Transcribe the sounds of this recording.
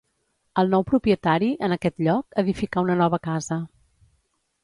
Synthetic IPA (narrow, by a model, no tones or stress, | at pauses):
əlˠnɔwpɾupiət̪aɾiʔənəkɛt̪ʎɔkəðifikaunənɔβəkazə